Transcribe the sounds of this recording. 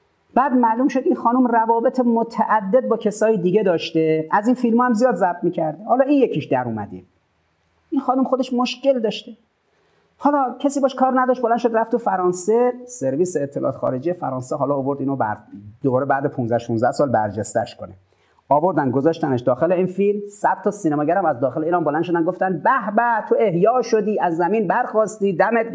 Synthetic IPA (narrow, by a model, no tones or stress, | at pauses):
b̥æːd̪mælumʃod̪inxɒːnumrævɒːbet̪ʰemot̪ʰæʔæd̪ːed̪̚bɒːcʰe̞sɒːjid̪iɡed̪ɒːʃt̪eæziːnfilmɒːhæmzijɒːd̪zæb̚d̪miːcʰæɾd̪ehɒːlɒːinjecʰiʃd̪æɾuːmæd̪i | ʔinxɒːnumxod̪e̞ʃmoʃce̞ld̪ɒːʃt̪e | hɒːlɒcʰesiːbɒːʃkʰɒːɾnæd̪ɒʃt̪̚bolænʃod̪ɾæft̪ʰːufæɾɒːnsese̞ɾviːseːt̪ʰːelʔɒ̰ːt̪xɒ̰ːɾed͡ʒiːjefæɾɒːnseɦɒːlɒːvoɾd̪iːnobæ̰ɾd̪̥obɒːɾebæːd̪epʰunzæhʃunzdæhsɒːlbæɾd͡ʒest̪æʃkʰone | ɒːbo̞ɾd̪ænd̪ɡozɒʃt̪æneʃd̪ɒːxeleiːnfilmsæd̪̥t̪ɒsiːnemɒːɟæɾæmæzd̪ɒːxeleiːɾɒːnbolænd̪ʃod̪ænɡoft̪ænd̪̚bæhbæt̪ʰːoehjɒːʃod̪iːæzːæmiːnbæɾxɒːst̪iːd̪æmet̪